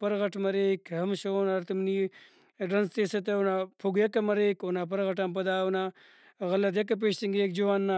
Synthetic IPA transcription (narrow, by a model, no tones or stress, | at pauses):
pɐɾɣɐʈmɐɾekhɐmʃoːnɐɾt̪ɐmni | ɖɐnst̪eːset̪eunapʰuɡjɐkɐmɐɾeːkonapɐɾɣɐʈampɐd̪aːuna | ɣɐlɐt̪̬jɐk̬ɐp̬eːʃt̪iŋɡek̚d͡ʒuwanːa